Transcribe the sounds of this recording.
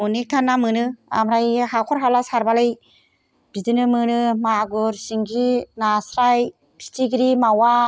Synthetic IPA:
unik̚tʰanːamɯnɯa̰mɾajɦakʰɔɾɦalasaɾbalej | b̥idɯnɯmɯnɯmaɡuɾsiŋɡinasɾaj | pʰi̥tʰiɡiɾimawa

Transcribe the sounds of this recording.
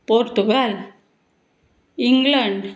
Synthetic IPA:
poːɾt̪uɡaːl | iŋɡlɐɳɖ

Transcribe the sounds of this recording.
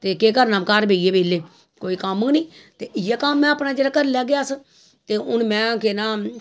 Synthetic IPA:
t̪eːkeːkəɾnaːmkaːɾbeːieːbeːleː | koːiːkəmnĩːt̪eːʔɪjaːkamːɛ̃ːəːpnaːd͡ʒeːɾaːkəɾlɛːɡɪjaːs | t̪eːʊnmɛ̃ːkenaː

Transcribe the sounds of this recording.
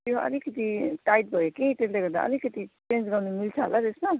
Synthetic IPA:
t̪joʌ̰likʌt̪iʈajʈ̚bʱʌjokĩt̪esleɡʌɾd̪a̰ʔʌ̰likʌt̪it͡send͡zɡawnumilt͡sʰʌɦo̰lat̪esma

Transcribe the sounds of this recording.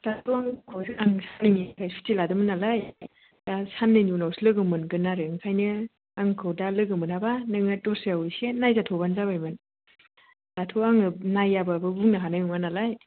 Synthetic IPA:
tatʰoaŋkʰowsiaŋsanɯŋikʰajsu̥tiladɯmɯnalaj | d̥asanːɯjnunawsilɯɡɯmɯnɡɯnaɾɯɯŋkʰajnɯ | aŋkʰɯwdalɯɡɯmɯnabanɯŋatɔseawɯjsenajzatʰɔbanzaβajmɯn | tatʰoaŋɯnajababɯbuŋnaɦanajmuŋmanalaj

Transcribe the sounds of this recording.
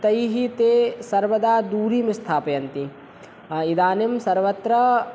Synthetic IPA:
t̪ɐjɦit̪eːsɐɾʋɐd̪aːd̪uːɾimist̪ʰaːpɐjɐnt̪i | id̪aːnimsɐɾʋɐt̪ɾɐ

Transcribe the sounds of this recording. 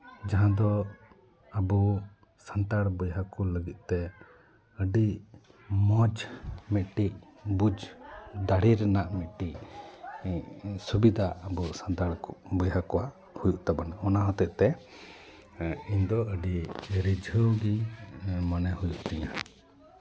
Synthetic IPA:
d͡ʒaɦãd̪ɔ | əbu | sant̪aɽbɔjɦakɔləɡit̪̚ˀt̪ɛ | əɖi | mɔd͡ʒmɛʔ̪ʈic̚bud͡ʒd̪aɽiɾɛnaʔmɛʈic̚ | subid̪ʱaəbusant̪aɽbɔjɦakɔwaʔ | hujuʔt̪abanaɔnaɦɔt̪ɛʔt̪ɛ | iɲd̪ɔəɖiɾid͡ʒʱəwɡi | manɛhujuʔt̪ɛɲa

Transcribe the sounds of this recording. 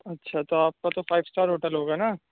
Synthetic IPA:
ɐtːʃʰat̪oaːp̚kat̪ofaːɪʋsʈaːɾɦoːʈəlɦoːɡaːna

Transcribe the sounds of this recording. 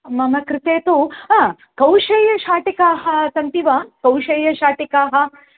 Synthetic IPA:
mɐmɐkɾɪt̪eːt̪u | kɐwʃeːjɐʃaːʈikaːɦɐsɐnt̪iʋaːkɐwʃeːjɐʃaːʈikaːɦɐ

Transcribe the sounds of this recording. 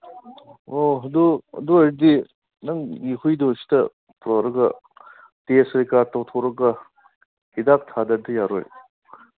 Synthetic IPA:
oɦɐduɐ̰duɐɾidi | nɐŋihujdosi̥tɐ | pɾoɾɐɡɐ | tesɐɾikaɾtɐwtʰoɾɐɡɐ | ɡidak̚tʰadɐdɐjaɾoj

